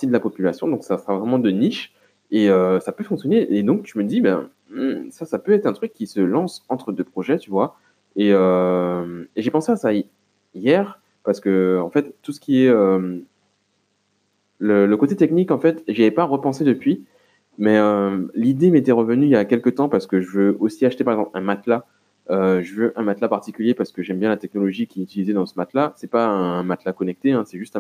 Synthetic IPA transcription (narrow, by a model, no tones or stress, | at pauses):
t̪id̪əlapɔpylasjɔ̃d̪ɔ̃ksasəʁavʁɛmɑ̃d̪əniʃ | eøsapøfɔ̃ksjɔneʔed̪ɔ̃kt̪yməd̪ibɛ̰̃ | m̩sasapøɛt̪χɛ̃t̪χykʲːisəlɑ̃sɑ̃t̪χəd̪øpχɔʒɛt̪yvwa | eømeʒepɑ̃seasa | jɛʁ | paʁsə̥kəɑ̃fɛt̪ːusə̥kʲiɛøm | lələkot̪et̪ɛknikɑ̃fɛt̪ʒaɛpaʁəpɑ̃sed̪əpɥi | mɛølid̪emet̪ɛʁəvənyiljakʲɛlkət̪ɑ̃paʁsə̥kəʒəvøosiaʃt̪epaʁɛɡzɑ̃plɛ̰̃mat̪la | øʒəvøʔɛ̃mat̪lapaʁt̪ikʲyljepaʁsə̥kəʒɛmbjɛ̃lat̪ɛk̚nɔlɔʒikʲiɛyt̪ilizɛd̪ɑ̃səmat̪lasɛpaɛ̃mat̪lakɔnɛk̚t̪eɛ̃sɛʒyst̪ɛ̃